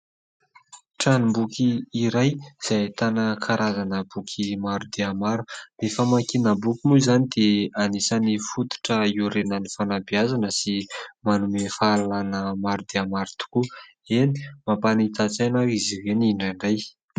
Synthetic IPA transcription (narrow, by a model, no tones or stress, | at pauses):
ʈ͡ʂanimbukiːɾajz̥ajt̪anakʰaɾazanəbukʰimaɾud̪eamaɾurefəmakinəbukʲimuzanid̪eanisanifut̪u̥ʈ͡ʂəiuɾenənifanabiazanəsimanumefalanəmaɾud̪eamaɾut̪u̥ku | eni̥mapanit̪at͡sajnaiziɦeniɳɖ͡ʐaɳɖ͡ʐaj